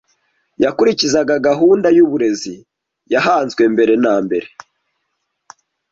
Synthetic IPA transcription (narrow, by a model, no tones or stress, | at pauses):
jakuɾicizaɡaɡaɦuːndajuβuɾe̞zi | jahaːnzɡwe̞mbe̞ɾe̞naːmbe̞ɾe̞